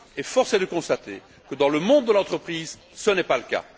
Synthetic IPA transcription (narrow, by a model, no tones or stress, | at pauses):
ɛfɔʁsed̪əkɔ̃st̪at̪e | kəd̪ɑ̃ləmɔ̃d̪̚ːəlɑ̃t̪χəpχiːz | sənɛpaləka̰